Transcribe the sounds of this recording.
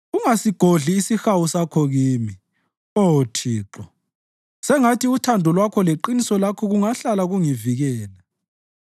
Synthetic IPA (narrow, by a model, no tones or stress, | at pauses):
uŋasiɡ̥ʱoɮiːsixawusakʰɔɣiːmi | otʰiːǁɔ | sɛŋatʰiutʰandʱɔlwakʰɔleǃinisɔlakʰɔɣuŋaɬalaɣuŋiviɣɛːla